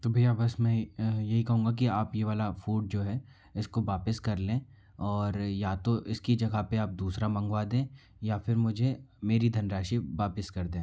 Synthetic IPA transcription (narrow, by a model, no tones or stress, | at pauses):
t̪oːbʱijabɐsmɛ̃ːjɐɦikɐɦũːŋɡak̬iaːpjeːʋaːlafuːʈ̚d͡ʒoːɦɛ | ɪskoʋaːpɪskɐɾlẽː | ɔːɾjat̪oʔɪskid͡ʒɐɡapeaːp̚d̪uːsɾamɐ̃ŋɡʋaːd̪ẽː | jafɪɾmʊd͡ʒʱemeːɾid̪ʱɐnɾaːʃiʋaːpɪskɐɾd̪ẽː